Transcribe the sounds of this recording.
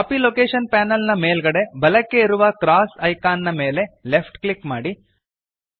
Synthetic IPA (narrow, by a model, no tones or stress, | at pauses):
kɐːpiloːkeːʂɐnpaːnɐlnɐmeːlɡɐɽe̞bɐlɐkːe̞iɾuʋɐkɾaːsɐjkaːnːɐme̞ːle̞lepʰʈklikmaːɽi